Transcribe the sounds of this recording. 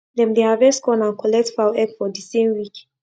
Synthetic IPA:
dɛ̃mdehavɛskɔ̃nãnkʰɔlɛk̚tfaɛkfɔdisẽmwik

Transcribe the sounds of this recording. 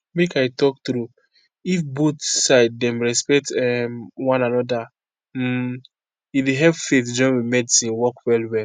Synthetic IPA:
mekaɪtɔk̚tɾu | ifbotsaɪd̚dɛ̃mɹɛspɛk̚tɛmwãnanɔda | ideɦɛvfetd͡ʒɔ̃nwimɛdisĩnwɔkwɛlwɛl

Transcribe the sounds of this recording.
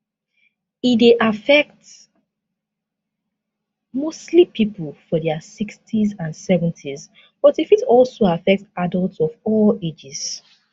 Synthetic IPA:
itdeʔafɛk̚t | mostlipʰipʰəlˠfɔdɛəsikstʰizãnsɛvə̃ntʰiz | b̥ɔtifitɔlˠsoafɛk̚tadəlˠtsɔvɔled͡ʒiz̥

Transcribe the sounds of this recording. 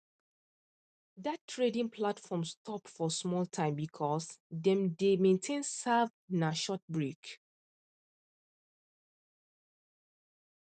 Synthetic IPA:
datʰːɹedĩŋpʰlatfɔ̃mstʰɔpfɔsmɔltʰãɪ̃mbikʰɔsdɛ̃mdemẽntʰẽnsav | naʃɔt̚bɹik

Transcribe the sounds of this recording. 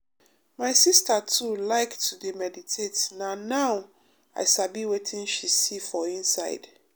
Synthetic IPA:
maɪsistatʰulaɪktʰudemɛditʰetnanaʊw | a̰ɪʃabiwetʰĩnʃisifɔĩnsaɪd̥

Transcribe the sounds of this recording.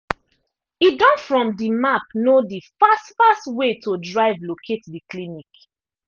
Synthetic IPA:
idɔ̃nfɹɔ̃mdimapnodifastfastwetodɹaɪvlokʰetdiklinik

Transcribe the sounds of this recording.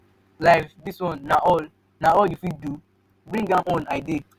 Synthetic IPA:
laɪfdiswɔ̃nːaɔl | naɔljufidu | bɹĩŋɡãmɔ̃naɪde

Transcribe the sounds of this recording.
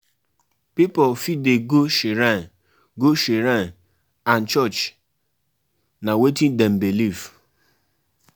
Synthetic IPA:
pipɔlfideɡoʃiɾan | ɡoʃiɾan | an̩t͡ʃɔt͡ʃ | nawetindɛm̩bilif

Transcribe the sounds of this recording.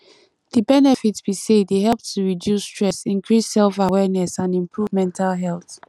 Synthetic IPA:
ðibɛnɛfitsb̥iseddeɦɛlp̚tʰːuɹidjustɹ̥ɛsĩnkʰɹisːɛlfawɛnɛsãnĩmpʰɹuvmɛ̃ntʰalɦɛlˠθ

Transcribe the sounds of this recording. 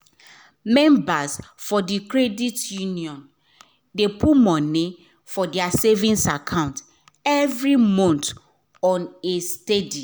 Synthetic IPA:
mɛ̃mbasfɔdikɹɛditjuniɔ̃n | depʰumɔ̃ni | fɔdiasevĩnsakʰãʊ̃nt | ɛvɾimɔ̃nt | ɔ̃nestedi

